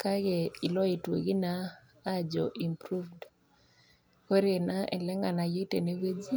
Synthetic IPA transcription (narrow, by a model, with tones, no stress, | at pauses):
ka˦ɡɛ˨i˨lɔ˦i˨twe˨ɡi˦naː˦ | d͡ʒɔ̰˨ʔi˨mpɾu˦vd | ko˦ɾe˨na˦ʔɛ˨lɛ˦ŋɡa˨na˨je˦tḛ˨ne˦we˦d͡ʒi˦